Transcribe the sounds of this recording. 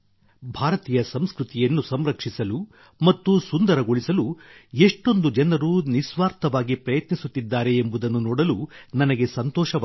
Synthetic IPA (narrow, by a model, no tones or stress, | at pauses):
bʱaːɾɐt̪iːjɐsɐmskɾut̪ijɐnːusɐmɾɐkʂisɐlu | mɐt̪ːusund̪ɐɾɐɡoɭisɐlueʂʈo̞nd̪ud͡ʒɐnɐɾunisʋaːɾt̪ɐʋaːɡipɾɐjɐt̪nisut̪ːid̪ːaːɾe̞ːmbud̪ɐnːunɔːɽɐlunɐnɐɡe̞sɐnt̪ɔːʃɐ